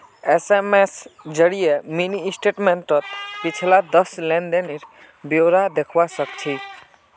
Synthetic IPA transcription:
esemesd͡ʒəɽijeminiːsʈeʈmẽɳʈɾɔt̪pit͡ʃʰilad̪əslɛɳɖeniɾ | bjoɾad̪ekʰwasəkt͡ʃʰi

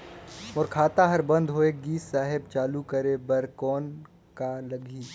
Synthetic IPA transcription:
mʊɾkʰaːt̪aɦɐɾbɐ̃nd̪ɦoekɡiːsːaːɦɪb̚t͡ʃaːlukəɾebɐɾkɔːn | kalɐɡʱiː

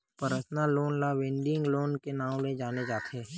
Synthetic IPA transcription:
pəɾəsnaloːnlaʋɪ̃ɳɖɪ̃ŋɡloːnkenaːʊ̃led͡ʒaːned͡ʒaːt̪ʰeː

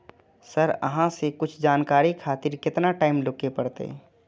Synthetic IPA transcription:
səɾə̰ɦãsekʊt͡ʃʰd͡ʒaːnkaːɾikʰaːt̪ɪɾkɪt̪naʈaːɪmlʊkepəɽt̪ḛ

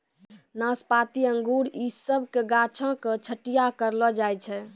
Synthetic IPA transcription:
nəspat̪iəŋɡuɾisəbʱkeɡat͡ʃʰə̃ket͡ʃʰəʈijakəɾlɔd͡ʒajt͡ʃʰɛ

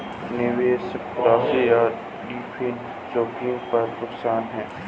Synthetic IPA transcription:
nɪʋeːsɪkpɾaːbejaː | ɖiːpʰɪn | t͡ʃoːkɪ̃ŋɡpɐɾnʊksaːnɦɛ̃ː

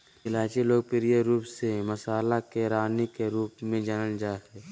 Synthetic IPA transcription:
ɪlaːt͡ʃiloːɡ̚pɪɾjeɾuːpseməsaːlakeɾaːnikeɾuːpmẽd͡ʒənəld͡ʒaːɦɛː

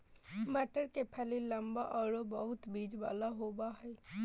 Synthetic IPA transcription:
mɛʈəɾkepʰɛlilə̃mbaʔɔːɾobəɦʊt̪biːd͡ʒʋa̰ːlaɦoːbaɦɛː

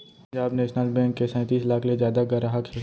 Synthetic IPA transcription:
d͡ʒaːbnɛːʃnəlbɛ̃ːŋkːesɛ̃ːt̪iːslaːkʰlezjaːd̪aɡɐɾaɦək

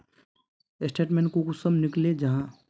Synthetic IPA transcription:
ɪsʈeːʈmẽnkokʊsəmnɪkled͡ʒɐɦãː

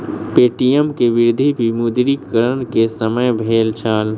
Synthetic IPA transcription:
peʈijəmkeʋiɾd̪ʱibʱimud̪ɾikəɾənkesəməjbʱelt͡ʃʰəl

